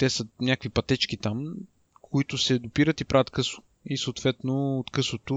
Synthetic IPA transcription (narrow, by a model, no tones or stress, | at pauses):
t̪ɛsənʲakəkvipɐt̪ɛt͡ʃk̟it̪am | kʊit̪ʊsɛd̪opiɾət̪ipɾʔavət̪kɤsʊ̥ | isoːt̪vɛt̪noot̪kɤsot̪o